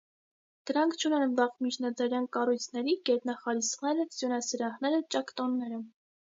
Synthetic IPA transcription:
d̪̥əɾɑŋkʰt͡ʃʰunɛnvɑχt̪mit͡ʃʰnɑd͡zɑɾjɑnkɑrujt͡sʰn̪ɛɾiɡɛt̪nɑχɑɾisnɛɾəsjunɑsiɾɑhnɛɾət͡ʃɑkt̪ɔnːɛɾə

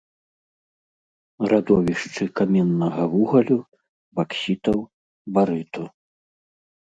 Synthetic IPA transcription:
ɾad̪ɔvʲiʂt͡ʂɨkamʲɛnːɐɣɐvuɣɐlʲu | baksʲit̪ɐw | baɾɨt̪u

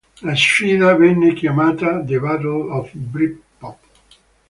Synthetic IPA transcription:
last͡ʃiːnavɛnːekjamaːt̪ad̪evaɾolɔfbɾipː | ɔp

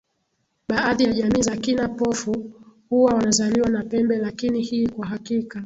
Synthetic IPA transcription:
ɓaaðijaʄamiːzakinapɔfuhuwawanazaliwanapɛmbɛlakinihiːkwaɦakika

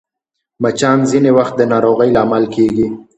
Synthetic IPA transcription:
mat͡ʃɑnzinewaxt̪̚d̪ənɑɾoɣəjlaːmalkʰeɡi

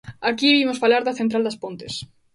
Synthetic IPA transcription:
akiimosfalaɾðɐθent̪ɾald̪aspont̪es

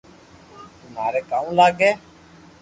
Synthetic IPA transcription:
t̪ʊm̤aːɾeːkaːũlaːɡeː

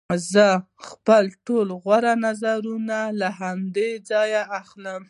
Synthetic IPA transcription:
zə | xpəlʈolɣwaɾanazaɾunalaɦamd̪ed͡zɑjaaxləm

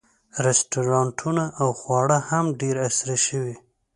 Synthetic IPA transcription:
ɾɪstuɾɑɳʈʰunaʔawxwɑɽəhamɖeɾasɾaʃəwi

